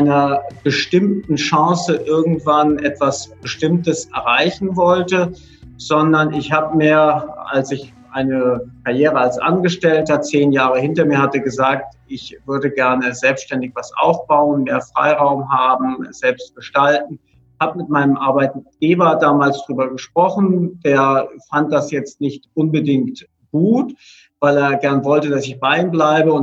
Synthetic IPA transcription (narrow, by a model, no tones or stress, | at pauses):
ʔaɪnɐb̥əʃtɪmtn̩ʃɑ̃ːsəʔɪɐɡŋ̩tv̥anʔɛtv̥asb̥əʃtɪmtəsʔɛɐʁaɪçn̩vɔltə | z̥ɔndɐnʔɪçhaːbəmeːɐʔa̰lsɪç | ʔaɪnəkʰaɐjeːʁəalsʔa̰nɡəʃtɛltɐt͡seːnjaːʁ̞əhɪntɐmiːɐhatəɡəzaːktɪçv̥ʏɐdəɡɛɐnəzɛlpstʃtɛndɪçv̥asʔa̰ʊfb̥aʊənmeːɐfʁ̥a̰ɪʁaʊmɦaːbm̩z̥ɛlpst̚ɡ̥əʃtaltn̩ | çhaːbəmɪt̚maɪnəmʔaɐbaɪt̚ɡ̥eːbɐdaːmaːlsd̥ʁyːbɐɡəʃpʁ̥ɔχn̩d̥eːɐfant̚d̥asjɛt͡stnɪçtʔʊnbədɪŋkt | ɡ̥uːt | v̥aɪleːɐɡɛɐnvɔltədasɪçb̥aɪiːmblaɪbəʊn